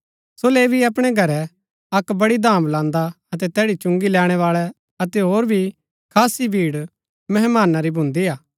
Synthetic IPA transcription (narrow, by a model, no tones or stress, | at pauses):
soːleːbʱiɐpɽ̃ɛɡʱɐɾɛ | ɐkbɐɽid̪ãːmlãːnd̪a | ɐt̪ɛt̪ɛːɽit͡ʃʊ̃ŋɡilɛːɽ̃ɛʋaːɭɛ | ɐt̪ɛɦoːɾbʱi | kʰaːsibʱiːɽ | mɐɦɛmaːnaɾibʱʊ̃nd̪iaː